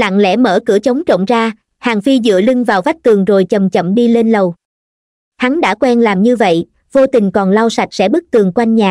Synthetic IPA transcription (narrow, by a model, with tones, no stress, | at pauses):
la̰ː˧˨ŋlɛ̰˧˥mə̰ː˧˩kɨ̰˧˩ət͡ɕə˨˦wŋ͡mt͡ɕə̰˧˨wŋ͡mzaː˧ | haː˨˩ŋfi˧zɨ̰˧˨əli˧ŋvaː˨˩wva˦˥k̚t̪ɨ˨˩əŋzo˨˩jt͡ɕə˨˩mt͡ɕə̰˧˨mɗi˧le˧nlə˨˩w | ha˨˦nɗa̰ː˧˥kwɛ˧nlaː˨˩mɲɨ˧və̰˧˨j | vo˧t̪ï˨˩ŋ̟kɔ˨˩nla˧wsa˨˩jt̚sɛ̰˧˥ɓɨ˦˥k̚t̪ɨ˨˩əŋkwa˧jŋ̟ɲaː˨˩